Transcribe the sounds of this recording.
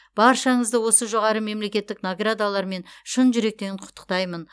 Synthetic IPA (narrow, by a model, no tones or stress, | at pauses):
b̥ɑɾʃɑɴəzd̪əwo̞səʒo̞ʁɑɾəme̞mle̞kʲe̞t̪ːɪknaɡrad̪alˠɑɾme̞nʃənʒʏɾe̞k̚t̪e̞ɾɪnqʰʊ̥t̪ːə̥q̚t̪ɑjmən